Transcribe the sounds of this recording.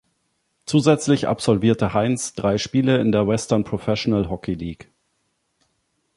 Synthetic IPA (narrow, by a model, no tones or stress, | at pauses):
t͡suːzɛt͡slɪçʔa̰pz̥ɔlviːɐtəhaɪnsd̥ʁaɪʃpiːləɪndeːɐvɛstɐɐnpʁ̥ofɛʃonalɦɔkʰiliːk